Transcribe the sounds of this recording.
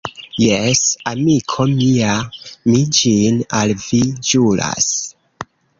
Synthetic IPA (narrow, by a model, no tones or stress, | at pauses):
jesamikʰo̞miamid͡ʒinalvid͡ʒula̰s